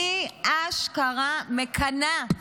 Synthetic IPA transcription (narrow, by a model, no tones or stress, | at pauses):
iaʃkaʁamekʰana